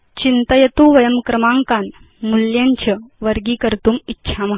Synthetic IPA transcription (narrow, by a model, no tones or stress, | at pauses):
t͡ɕint̪əjət̪uːʋəjəmkɾəmaŋkan | muljaɲt͡ɕəʋəɾɡiːkəɾt̪uːmitːɕʰamaɦ